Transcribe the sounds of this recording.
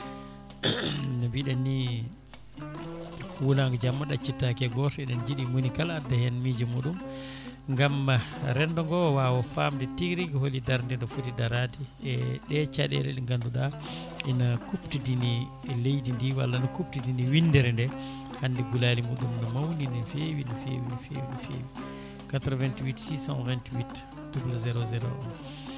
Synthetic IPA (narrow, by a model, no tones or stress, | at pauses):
nɔbiɗɛni | wulaŋɡad͡ʒamːaɗat͡ʃitːakɛɡɔsɔɛɗɛnd͡ʒiɗimunikaladːahɛnmiːd͡ʒimuɗumŋɡamːaɾɛndɔŋɡɔwawɔfamdɛtiɡɾiɡholːidaɾndɛndɔfutidaɾatiɛɗɛt͡ʃaɗɛ̰ɗɛ̰ɗɛŋɡanduɗa | ʔɛnakuptidini | lejdindiwa̰lːanakup̚tidiniwindɛɾɛndɛ | hanːdɛɡulalimuɗumnɔmawninɛnfewinafḛwinfḛwifḛwi | katɾɔvɛntwitsisã̰nvɛntwit | d̥ublzɛɾɔzɛɾo̰ɗun